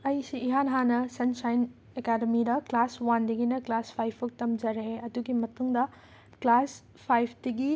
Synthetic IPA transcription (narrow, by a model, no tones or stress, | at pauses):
ɐjsiːɦanɦanɐsɐnsajn | ekademidɐklaswandɐɡinɐklaspʰajpʰuk̚tɐmd͡ʒɐɾɦeɐduɡimɐtuŋdɐ | klas | pʰajpʰdiɡi